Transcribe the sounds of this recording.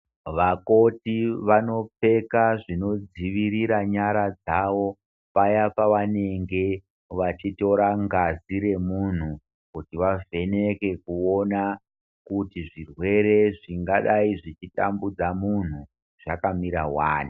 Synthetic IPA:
ʋako̞tiʋano̞p͡fe̞kaʐino̞d͡ziʋiɾiɾaɲaɾad͡zaʋo̞ | pajapaʋane̞ŋɡe̞ | ʋat͡ʃito̞ɾaŋɡaziɾe̞mun̤u | kutiʋave̞ne̞ke̞kuo̞na | kutiʐirwe̞ɾe̞ʐiŋɡaɗaiʐit͡ʃita̰mbud͡zamun̤u | ʐ̥akamiɾawaːni

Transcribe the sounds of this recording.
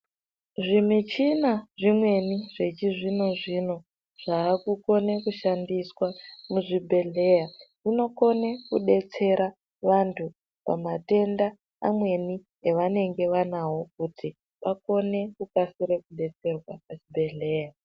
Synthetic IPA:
ʐimit͡ʃinaʐimwe̞niʐe̞t͡ʃiʐino̞ʐino̞ | ʐ̥aːkuko̞ne̞kuʃandiswamuʐibʱe̞ɮe̞ːjaʐino̞ko̞ne̞kuɗe̞t͡se̞ɾa | ʋantʰu | pa̰mate̞nda | amwe̞ni | eʋane̞ŋɡe̞ʋanawo̞k̚utʰi | ʋako̞ne̞kukasiɾekuɗe̞t͡se̞rwapat͡ʃibʱe̞ɮe̞ːja

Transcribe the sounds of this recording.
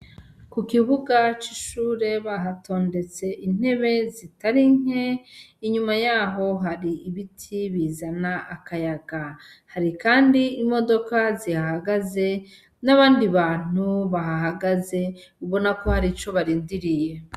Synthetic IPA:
kukiβuɡat͡ʃiʃuːɾe̞βaɦato̞ːnde̞t͡se̞ʔin̥he̞βe̞zitaɾiŋhe̞iɲumajaːɦo̞ɦaɾiːβitʰiβiːzanaʔakajaɡa | haɾikaːndiimo̞do̞kazihahaɡaze̞ | naβaːndiβaːn̥uβaɦaɦaɡaze̞uβo̞nako̞haɾit͡ʃo̞βaɾiːndiɾije̞

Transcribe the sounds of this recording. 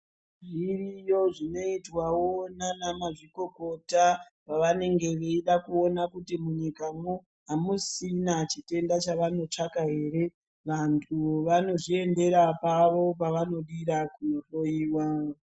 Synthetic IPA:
ʐirijo̞ʐino̞itwawonanamaʐiko̞ko̞ta | paʋane̞ŋɡe̞ʋeiɗakuo̞nakutimuɲikamu | ɦamusinat͡ʃite̞ndat͡ʃaʋano̞t͡ʂakaɦe̞ːre̞ | ʋantʰuʋano̞ʐie̞nde̞ɾapaʋo̞paʋano̞ɗiɾakuno̞ɬo̞jiːwa

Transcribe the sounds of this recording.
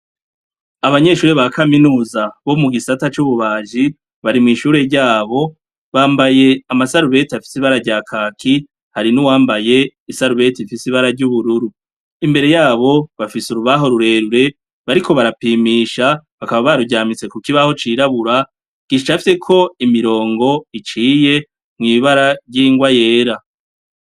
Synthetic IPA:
aβaɲe̞ʃuːɾeβakaminuːzaβo̞muɡisatat͡ʃuβuβaːʒi | βaɾimŋiːʃuːɾe̞ɾɟaːβo̞ | βaːmbaje̞amasaɾuβe̞tiafi̥siβaɾaɟaːkʰaːkʰi | haɾinuwaːmbaje̞isaɾuβe̞tifisiβaɾaɾɟuβuɾuɾu | imbe̞ɾe̞jaːβo̞βafisuɾuβaɦo̞ɾuɾe̞ɾuɾe̞ | βaɾikʰo̞βaɾapiːmiːʃaβakaβaβaɾuɟaːmit͡se̞kukiβaho̞t͡ʃiːɾaβuɾa | ɡ̥iʃt͡ʃafise̞kʰo̞imiɾo̞ːŋɡo̞it͡ʃiːje̞ | mŋiːβaɾaɾɟiːŋɡwaje̞ːɾa

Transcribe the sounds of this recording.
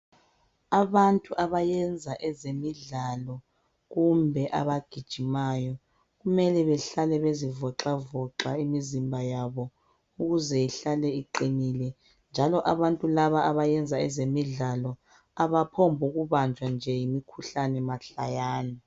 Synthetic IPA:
aβantʼuʔaβajɛnd͡zʱaʔɛzemiɮalɔ | ɣumbʱɛʔa̰βaɡ̥ʱid̥ʒ̥ʱimaːjɔ | ɣumɛlɛβɛɬalɛβezivɔǁavɔǁaimizimbʱajaβɔ | uɣuzɛiɬalɛiǃiniːlɛ | nd͡ʒʱalɔʔaβantʼulaβaːβajɛnd͡zʱaɛzemiɮalɔ | aβapʰombʱuɣuβand͡ʒʱwand͡ʒʱɛjimikʰuɬanɛmaɬajaːna

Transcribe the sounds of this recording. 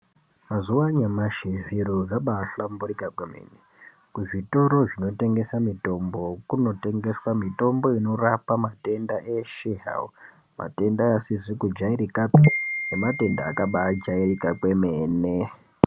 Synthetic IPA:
mazuwaɲamaʃiviɾoʐaɓaɬambuɾikakweme̞̰ne | kuʐito̞ɾo̞ʐino̞te̞ŋɡe̞samito̞mbo̞kuno̞te̞ŋɡe̞swamito̞mbo̞ino̞rapamate̞ndaʔe̞ʃeɦa̰u | ma̰te̞ndajasizikud͡ʒaiɾikapinemate̞ndaːkaɓaːd͡ʒairikakwe̞meːne

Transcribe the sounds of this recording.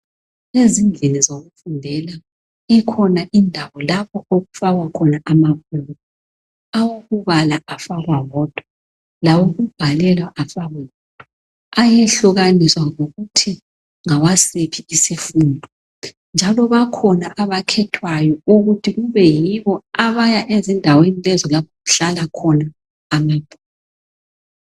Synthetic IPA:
ezind͡ɮʱinizoɣufundʱɛla | ikʰɔnaʔindʱawɔlapʰɔoɣufaɣwakʰɔnaʔamaputɔ | awoɣuβalaafaɣwawɔd̥ʱwa | lawoɣub̥ʱalɛlwaʔafaɣaɔd̥ʱwa | ajɛɬuɣaniswaŋoɣutʰi | ŋawasepʰiisefundʱɔ | nd͡ʒʱalɔβakʰɔnaʔaβakʰɛtʰwajɔuɣutʰiɣuβɛjiβɔaβajaʔezindʱawenilɛzɔlapʰɔɣuɬalakʰɔnaː | mab̥ʱuː

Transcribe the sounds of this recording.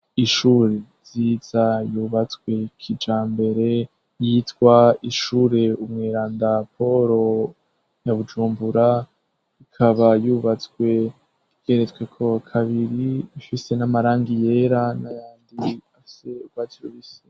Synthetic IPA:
iʃuɾeziːz̥ajuːβat͡skwe̞kʰid͡ʒaːmbe̞ɾe̞ | jiːtwaiʃuɾe̞umŋeːɾaːndapʰo̞ɾo̞ | jaβud͡ʒuːmbuɾa | ikʰaβajuːβat͡swe̞ | iɡ̥e̞ɾet͡swe̞kʰo̞kʰaβiɾiifise̞namaɾaːŋɡije̞ɾanajaːndiafi̥se̞uɡ̥waːtʰiɾuβisi̥

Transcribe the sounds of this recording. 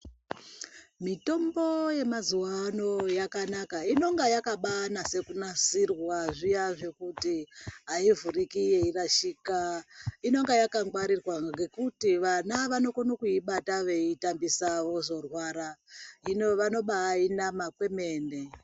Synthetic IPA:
mito̞mbo̞je̞mazuwano̞jakanakaino̞ŋɡajakaɓanase̞kunasirwwaʐijaʐe̞kutiɦaivurikijeiraʃiːkaino̞ŋɡajakaŋɡwaɾirwaŋɡe̞kutiʋanaʋano̞konokuiɓataʋe̞itambisaʋo̞ʐo̞rwaːɾainoʋano̞ɓainamakwe̞me̞ːne

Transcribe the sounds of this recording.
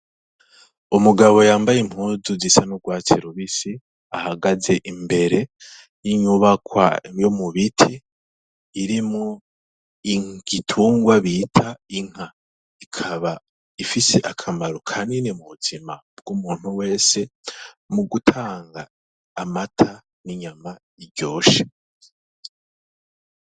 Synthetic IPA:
umuɡaβo̞jaːmbajem̥huːzuzisanuɡwaːt͡seɾuβisi | ahaɡaze̞ʔimbe̞ɾe̞ | jiɲuβakwa̰jomuβitʰiː | ɾimŋo | iɡ̥itʰuːŋɡwaβitʰaiŋ̥a | ikʰaβa | ifiseʔakʰamaɾokʰandinemuβutimab̚ɡumuːn̥uwe̞ːse̞ | muɡutʰaːŋɡaː | matʰa | niɲama | iɾɟo̞ːʃe̥

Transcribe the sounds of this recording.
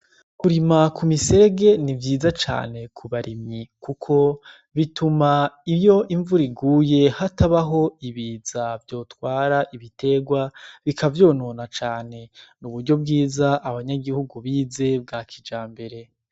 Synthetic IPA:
kuɾimakumise̞ːɡe̞nivjiːzat͡ʃa̰ːne̞kʰuβaɾimɲikukʰo̞ | βitumaijo̞ʔiɱvuɾiɡuːje̞hatʰaβaɦo̞iβiːzavjo̞ːtwaːɾaʔiβite̞ɡwaβikavjo̞ːnoːnat͡ʃaːne̞nuβuɾɟo̞b̚ɡiːzaʔːβaɲaɡihuɡuβiːze̞b̚ɡaːkʰid͡ʒaːmbe̞ɾe̞

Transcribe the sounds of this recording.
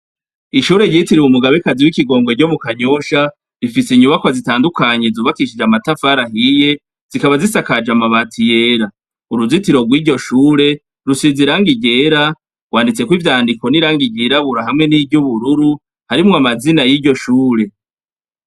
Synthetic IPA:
iʃuːɾe̞ɟitiɾiwumuɡaβekaziwikiɡo̞ːŋɡoɟomukaɲo̞ʃa | ɾifisiɲuβakwazitaːndukaɲe̞zuːβakiʃid͡ʒamatafaɾahije̞ | z̥ikaβazisakad͡ʒamaβatʰije̞ɾa | uɾuzitiɾo̞ɡwiːɟo̞ʃuːɾe̞ | ɾusiziɾaːŋɡiɟeɾa | ɡ̥waːndit͡se̞kwivjaːndiko̞niɾaːŋɡiɟiɾaβuɾaɦamŋe̞nivɟuβuɾuɾu | haɾimŋoamazinajiɟo̞ʃuːɾe̞

